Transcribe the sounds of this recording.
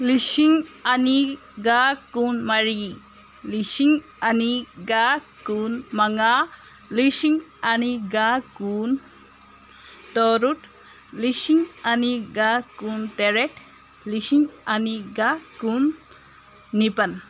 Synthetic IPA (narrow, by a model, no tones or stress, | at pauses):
lisiŋani | ɡakunmaɾi | lisiŋ | aniɡakunmaŋa | lisiŋaniɡakun | t̪ɔɾuʈ | lisiŋaniɡakunteɾeʈ | lisiŋaniɡakunː | ipan